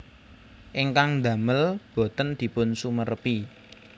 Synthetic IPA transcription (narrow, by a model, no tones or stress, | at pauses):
ʔɪŋkaŋnd̪ä̤məlb̥o̤t̪ənd̪̥i̤pʊnsumərəpi